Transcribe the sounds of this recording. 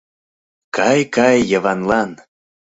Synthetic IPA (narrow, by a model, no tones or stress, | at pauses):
kɑjkɑjːəvɑnlɑn